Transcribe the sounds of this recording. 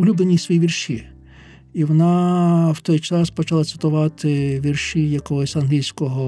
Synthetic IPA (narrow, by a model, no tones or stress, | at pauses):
ʊlʲublˠenʲːisʋɔjiʋʲirʃi | iʋɔnɑwt̪ɔjt͡ʃɑspɔt͡ʃɐlˠat̪sɪ̥t̪ʊʋɑt̪ɪʋʲirʃijɐkɔɦɔsʲɐnɦlʲilʲsʲkɔɦɔ